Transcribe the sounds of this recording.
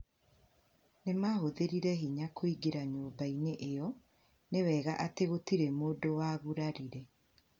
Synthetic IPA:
nemahoðeɾiɾɛɦiɲakʰoiɡiɾaɲoːbaineʔejɔ | newɛːɣaʔateɣotiɾemoːdowaːɣuɾaɾiɾɛ

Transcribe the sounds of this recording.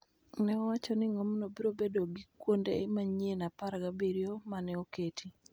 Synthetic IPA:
nɛɔwat͡ʃɔnɪŋɔmnobiɾobedoɡikwondeːmaɲienapaɾɡabeɾiomanɛoketʰi

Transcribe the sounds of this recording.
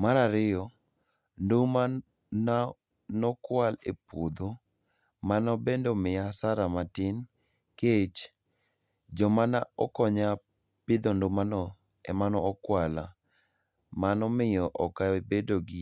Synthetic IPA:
maɾaɾɪjɔ | ndoma | na | nɔkwalepod̪o | manɔbendomɪasaɾamatɪn | ket͡ʃ | d͡ʒɔmanaɔkɔɲa | pɪd̪ondomanɔ | ɛmanɔːkwala̰ | manɔmɪjɔʔɔkabedoɡi

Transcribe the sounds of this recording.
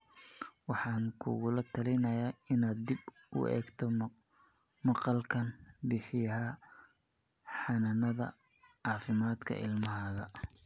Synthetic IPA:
wɑħɑːŋkʰṵɣʊlɐt̪ʰɐlɛjnɐjaːɪnaːd̪̚ːib | ʊ̰ʔɛ̰ːɡt̪ʰɔ | mɑqɑlkʰɐnbɪħɪjɐɦa | ħɑnɐnɐðɐ̰ | ʕɑːfɪmaːd̪kʰɐ̰ʔɪ̰lmɐɦaːɣɐ

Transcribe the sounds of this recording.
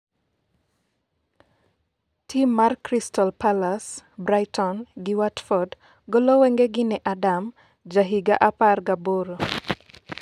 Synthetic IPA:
tʰimːarkɾistɔlpʰalasbɾajtɔnɡɪwatfɔd | ɡɔlɔwɛŋɡeɡɪnɛʔadam | d͡ʒaɦiɡa̰ʔaparɡaboɾo

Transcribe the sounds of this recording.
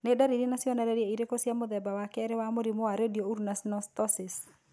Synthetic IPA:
nɛdaɾiɾinasjɔnaɾɛɾieiɾekosjamod̪ɛbawakɛɾɛwamoɾimoaɾediouɾnasnɔst̪ɔsɪs

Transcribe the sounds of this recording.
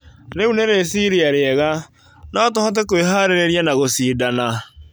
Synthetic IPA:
ɾeuneɾesiɾiaɾeɛɣa | nɔtɔhɔt̬ekoeɦaɾeɾeɾianaɣosiːdana

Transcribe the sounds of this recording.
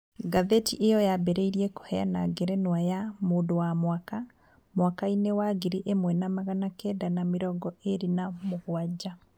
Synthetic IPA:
ɡaðetiʔejɔjabɛɾeiɾiɛko̥hɛjanaɡeɾɛnwajamoːndowamwaka | mwakainewaɡeɾiʔemwɛnamaɣanakɛdanameɾɔɡɔeɾinamoɣwad͡ʑa

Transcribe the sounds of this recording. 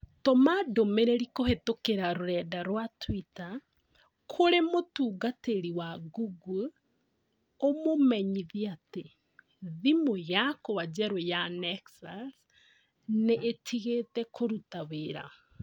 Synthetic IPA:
tɔmadomeɾeɾikohetokeɾaɾoɾɛːdaɾwatwita | kʰoɾemotuːɡateɾiwaɡuɡu | omomɛɲiðiate | ðimojakowad͡ʒɛɾojanɛksas | neʔetʰiɣetɛkʰoɾutaweɾa̰

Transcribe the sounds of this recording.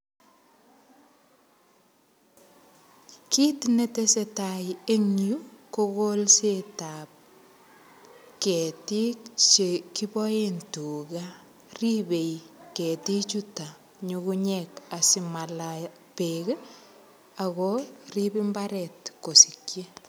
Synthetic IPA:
kitnetesetajeŋjukokolsetap̚ | ketikt͡ʃekibɔjentuɡa | ribejketit͡ʃuta | ɲokuɲɛkasimala | pek | aɣɔribimbaɾɛtkosikje

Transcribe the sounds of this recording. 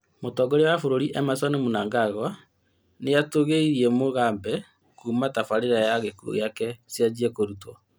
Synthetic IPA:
motɔɡoɾewafoɾoɾiʔɛmaswanemonaːŋɡaɣwa | nejatoɣeiɾiɛmoɣaːmbɛ | kuːmatafaɾeɾajaɣekuo̰ɣjakɛsjad͡ʒiɛkoɾutɔ

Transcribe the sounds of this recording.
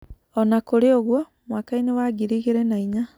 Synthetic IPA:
ɔnakoɾeoɣwɔ | mwaːkainewaɡiɾiɣeɾɛnaiɲa

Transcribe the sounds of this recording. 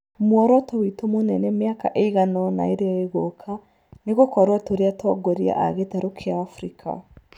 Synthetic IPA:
mwɔɾwɔtowitomonɛnɛmeakaʔeiɣanɔna̰eɾeɔeɣokʰa | neɣokɔɾwatoɾeatwɔɡɔɾia̰ʔaɣetaɾokʰeaːfɾikʰa̰

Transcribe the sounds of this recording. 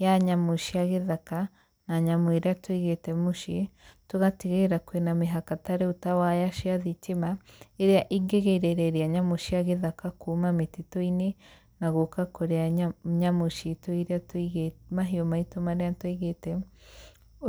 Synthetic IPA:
jaɲamoʃiaɣeðaka | naɲamoeɾeatwiɣetemoʃitoɣatiɣeɾakwenameɦakataɾeutawajaʃiaðitemaeɾeaʔiɡeɣeɾeɾeɾeaɲamoʃiaɣeðakakuːmametitoine | naɣokakoɾeaɲamoʃitoiɾeatiɣemaɦiomaitomaɾeantwiɣetɛ

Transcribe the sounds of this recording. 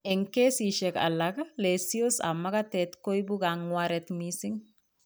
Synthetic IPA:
ɛŋkesiʃɛkɐ̰lːɐkɐleːsijosɐ̰mːɐkɐt̪et̪kojbuɡaŋwaɾɛt̪miːsɪŋ

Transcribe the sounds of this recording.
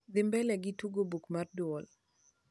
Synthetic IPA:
d̪ɪmbɛlɛɡɪtuɡobukmardʊɔl

